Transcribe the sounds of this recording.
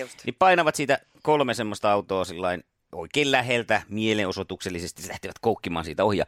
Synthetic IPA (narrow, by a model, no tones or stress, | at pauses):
nʔipɑinɑʋɑt̪siːt̪æ | kolmesemːost̪ɑɑut̪oːsilːɑin | o̰ikeːllæhelt̪æmieleʔosot̪ukselːisest̪ilæht̪iʋæt̪koˑukːimɑ̰ːnsiːt̪æohjɑ̰ː